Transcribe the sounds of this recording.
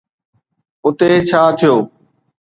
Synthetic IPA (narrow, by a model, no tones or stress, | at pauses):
ʊt̪et͡ɕʰaːt̪ʰijoː